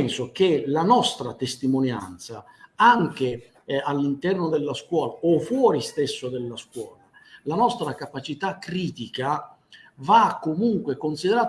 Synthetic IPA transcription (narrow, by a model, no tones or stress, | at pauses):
nsok̟elanɔst̪ɾat̪est̪imonja̰nt̪sa | aŋk̟e | alːint̪ɛrnod̪elːaskwɔːlaofwɔːɾist̪esːod̪elːaskwɔːla | lanɔst̪ɾakapat͡ʃit̪akːɾiːt̪ika | vakːomuŋkwekonsid̪eɾaː